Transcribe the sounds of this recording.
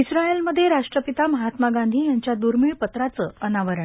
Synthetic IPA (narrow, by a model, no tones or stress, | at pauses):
isɾaelməd̪ʱːjeɾaʂʈɾəpit̪aməɦat̪maɡand̪ʱiːjaɲt͡ɕjad̪uɾmiɭpət̪ɾat͡səːənaʋəɾəɳ